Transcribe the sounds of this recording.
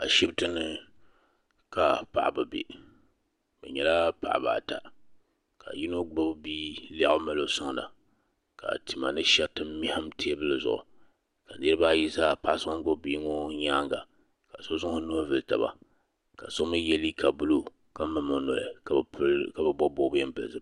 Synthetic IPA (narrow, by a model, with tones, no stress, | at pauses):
a˨ʃi˦btɨ˦nɨ˨ | ka˨pa̰˨ʔbɨ˨bḛ˨ | bɨ̰˨ɲɛ˨la˦pa̰˨ʔba̰ː˨ta˨ | ka̰˨ji˦no˦ɡ͡bo˦bbiː˦la˦ʔʊ˦ma˦lo˦sʊ˦ŋ˨la̰˨ | ka̰˨ti˨ma̰˨nɨ˦ʃɛ˦tɨ˦m˦mi˦ha˦mtʰe˦bɨ˦lɨ˨zʊ̰˨ʔʊ̰˨ | ka˨ne˦ɾɨ˦ba˦ji˦zaː˦pa˦ʔsɨ˦ma˦ŋ˦ɡo˦bi˦ŋo˦ɲa˦ŋɡa˨ | ka˨so˦zʊ˦hʊ˦nu˦a˦vɨ˦ta̰˨ba̰˨ | ka˨so˦mɨ˦jɛ˦li˦kʰa˨bu˦lo˦ | ka˦mɨ˨mɨ˨no̰˨ɪ̰˨ | ka˨bɨ˨bo˦bo˦bjɛ˦m˦bɨ̰˨sɨ˦˨